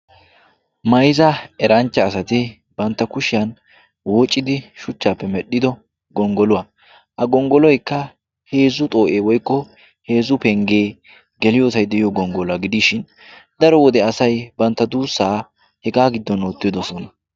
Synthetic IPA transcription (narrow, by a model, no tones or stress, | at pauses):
mɐjzɐɛɾɐnt͡ʃːɐːsɐt̪ɪ | bɐnt̪ːɐkʊʃɪjɐn | wɔt͡ʃʼːɪd̪ɪʃʊt͡ʃːaːpːɛmɛɗːɪd̪ɔ | ɡɔŋɡɔlʊwaː | ʔɐɡɔŋɡɔlɔjkːɐ | he̞ːzːʊt̪ʼo̞ːʔeːwɔjkːɔ | he̞ːzʊpɛŋɡe̞ː | ɡɛlɪjoːsɐjd̪ɛɪjɔɡɔŋɡɔlɐɡɪd̪iʃɪn | d̪ɐɾɔwɔd̪ɛɐsɐjbɐnt̪ːɐd̪uːsːaː | hɛɡaːɡɪd̪ːɔnoːt̪ːɪd̪ɔsɔnɐ